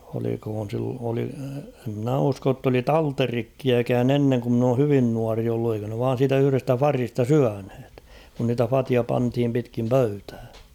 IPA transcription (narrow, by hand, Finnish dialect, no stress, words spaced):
olikhoːn̞ sil oli e mnæ usko tː oli tɑlterikːiækæːn enːeŋ ku mn oː hyʋin nuɑri olːu eikø ne ʋɑːn̞ siːtæ yhy̆restæ fɑristɑ syænhe̥t kun niːtæ fɑtiɑ pɑnthim pitkiːn pøytæː